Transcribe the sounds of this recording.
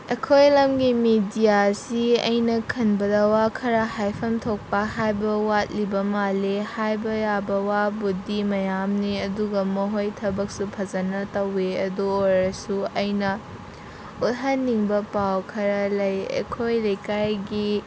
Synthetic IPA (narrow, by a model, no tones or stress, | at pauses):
ekʰojlɐmɡimidijasiɐ̰jnɐkʰɐnbɐdɐwakʰɐɾɐhajpʰɐmtʰok̚pɐhajbɐwat̚libɐmalehajbɐjabɐwabudimɐjamniɐduɡɐmɐɦojtʰɐbɐk̚supʰɐzɐnɐtɐweɐdooɾɐsuɐjnɐ | ut̚ɦɐnːiŋbɐpawkʰɐɾɐlɐjḛkʰojlɐjkajɡi